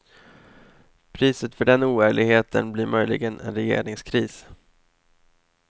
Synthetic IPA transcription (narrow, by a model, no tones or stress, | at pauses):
pʰɾiːsət̪fœɖɛnuːæːɭɪɡheːt̪ʰə̰nblɪːɾmœjlɪ̰ɡənɛ̰nɾɛjḛːɾɪŋskʰɾiːs